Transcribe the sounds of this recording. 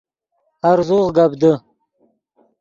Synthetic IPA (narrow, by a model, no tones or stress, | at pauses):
aɾzuʁɡabd̪ə